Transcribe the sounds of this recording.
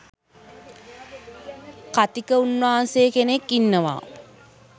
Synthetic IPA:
kat̪ikəunːaɦansejːkenekːinːəʋa̰ː

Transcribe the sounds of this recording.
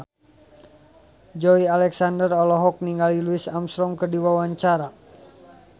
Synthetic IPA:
d͡ʒɔialɛksandərɔlɔɦɔk̚niŋɡaliluisamsɾɔŋkərdiwawaɲt͡ʃaɾa

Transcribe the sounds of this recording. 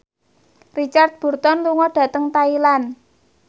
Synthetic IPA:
rit͡ʃart̪̚b̥ṳrt̪ɔnluŋɔɖ̥a̤t̪əŋt̪ailan

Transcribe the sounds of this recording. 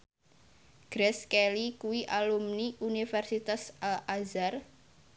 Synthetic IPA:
ɡ̥ɾɛskelikuwiʔalumniʔunifɛrsit̪asalazar

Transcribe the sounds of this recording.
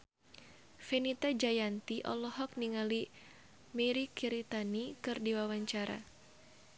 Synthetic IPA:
fenit̪ad͡ʒajant̪iʔɔ̰lɔɦɔk̚niŋali | mɛɾikiɾit̪anikɨrdiwawaɲt͡ʃaɾa̰

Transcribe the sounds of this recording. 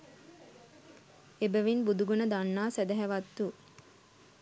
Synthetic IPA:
ebæʋinbud̪uɡunəd̪anːaːsæd̪æɦæʋat̪ːu

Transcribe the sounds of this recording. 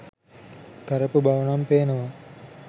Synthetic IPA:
kəɾəpubaʋənampeːnəʋa

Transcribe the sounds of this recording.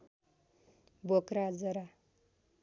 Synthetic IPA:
bokɾad͡zʌɾa

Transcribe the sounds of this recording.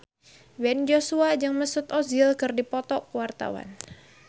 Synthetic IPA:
bɛnd͡ʒosuad͡ʒaŋməsʊt̪ozɪlkɨrdipɔt̪ɔkəwart̪a̰wa̰n

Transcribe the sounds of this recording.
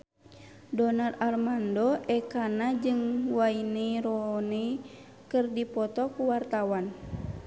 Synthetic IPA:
dɔnararmandɔɛkanad͡ʒɨŋwaineɾɔne | kɨrdipɔt̪ɔkuwart̪awan

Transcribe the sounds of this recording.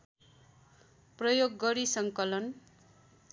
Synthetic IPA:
prʌjoɡːʌɾisʌŋkʌlʌn

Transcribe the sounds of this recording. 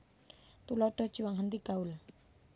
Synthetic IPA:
t̪ulɔɖ̥ɔ̤d̥ʒ̥uwaŋɦənt̪iɡ̥aʊl

